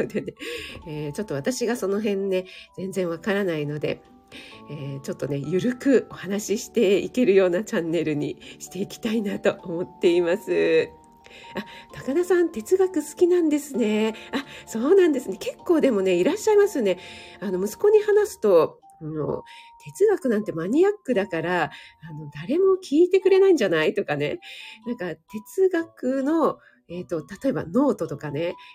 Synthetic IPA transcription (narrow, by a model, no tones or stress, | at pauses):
d̪eneeːt͡ɕo̞t̪ːoβat̪aɕiɡaso̞no̞ɦẽ̞nːe̞z̥ẽ̞nd͡zẽ̞ɰ̃β̞akaɾanaino̞d̪e̞̰ | et͡ɕo̞t̪ːo̞ne̞jɯ̟ɾɯ̟kɯ̟o̞hanaɕiɕi̥t̪e̞ike̞ɾɯ̟jo̞ːnat͡ɕãnːe̞ɾɯ̟ɲ̟ḭɕi̥t̪e̞ikʲi̥t̪ainat̪o̞ʔomo̞t̪ːe̞imasɨ | at̪akad̪asãnt̪e̞t͡sɨɡakɯ̟sɨ̥kʲinãnd̪e̞sɨne̞aso̞ːnãnd̪e̞sɨne̞ke̞kːo̞ːd̪e̞mo̞ne̞iɾaɕːaimasɨjone̞ano̞mɯ̟sɨ̥ko̞ɲ̟ihanasɨ̥t̪o̞ | ano̞̰t̪ʰe̞t͡sɨɡakɯ̟nãnt̪e̞maɲ̟iakːɯ̟d̪akaɾaːno̞d̪aɾe̞mo̞kʲʰiːt̪e̞kɯ̟ɾe̞naĩɲd͡ʑanait̪o̞kane̞̰nãŋkat̪e̞t͡sɨɡakɯ̟no̞ | e̞t̪o̞t̪at̪o̞e̞ba̰no̞ːt̪o̞t̪o̞kane̞